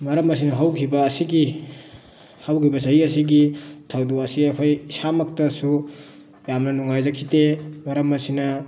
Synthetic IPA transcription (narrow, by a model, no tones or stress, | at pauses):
mɐɾɐmɐs̬inɐɦawkʰibɐːsiɡi | hawkʰibɐsɐɦiɐsiɡitʰawduɐsiɐpʰajsamɐk̚tɐsu | jamnɐnuŋajzɐkʰːitemɐɾɐmɐsinɐ